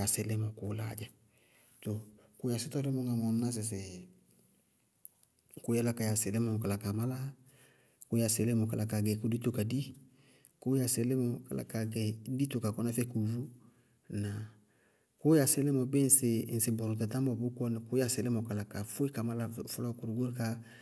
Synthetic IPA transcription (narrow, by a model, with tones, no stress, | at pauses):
ja˨sɛ˨lɛ˦mɔ˨kʊ˨˦la̰˦˨d͡ʒɛ˨ | to˨ | kʊ˦ja˨sɪ˦tɔ˦lɛ˦mɔ˨ŋa˨m˨a˨m̩˦na˦s̬ɪ˨s̬ɛ˨ | kʊ˦ja˦la˦ka˨ja˨sɛ˨lɛ˦mɔ˨ka˨la˨ka˨ma˦la˦ | kʊ˦ja˨sɛ˨lɛ˦mɔ˨ka˨la˨ka˨ɡɛ˨ku˨˦di˦to˨ka˨di˦ | kʊ˦ja˨sɪ˨˦lɛ˦mɔ˨ka̰˨lʔa̰˨ka˨ɡɛ˨˦di˦to˨ka˨kɔ˦nɛ˦fɛ˦ku˨vu˦ | na˨ | kʊ˦ja˨sɪ˦lɛ˦mɔ˨be˦n̩˨˦sɪ˨n̩˨sɪ˨bɔ˨ɾɔ˨tɛ˨ta˦mɔ˨bʊ˦kɔ˦n˨kʊ˦ja˨sɪ˨lɛ˦mɔ˨ka˨la˨ka˨fʊ˦i˦ka˨ma˦la˦˨fʊ˦lɔ˦ku˨ɾu˨ɡo˦ɾka˦